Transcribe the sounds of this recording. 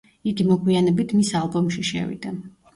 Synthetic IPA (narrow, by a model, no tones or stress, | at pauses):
iɡimɔɡwianɛbit̪ʰmisalˠbɔmʃiʃɛ̰vḭd̪a